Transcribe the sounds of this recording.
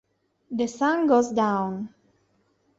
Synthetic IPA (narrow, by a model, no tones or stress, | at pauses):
ðəsʌ̃nɡozdãʊ̃n